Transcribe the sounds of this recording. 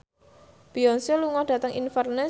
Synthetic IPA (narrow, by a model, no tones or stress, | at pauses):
b̥iɔnsoluŋɔhɖ̥a̤t̪əŋʔḭnfərne